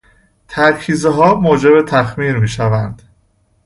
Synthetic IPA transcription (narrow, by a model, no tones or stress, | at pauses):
t̪ʰæɾcʰiːzeɦɒːmoːd͡ʒe̞be̞t̪ʰæxmiːɾmiːʃævænd̪̥